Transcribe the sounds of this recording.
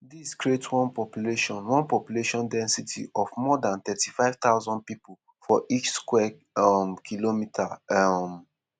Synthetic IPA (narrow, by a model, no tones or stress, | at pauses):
diskɹietwɔ̃npɔpjuleʃɔ̃nwɔ̃npɔpjuleʃɔ̃ndɛ̃nsitʰḭʔɔvmɔdãnt̪ɛtifaɪv̥t̪aʊzɔ̃nd̚pipl | fɔʔit͡ʃskwɛ | ɔmkʰilomitʰam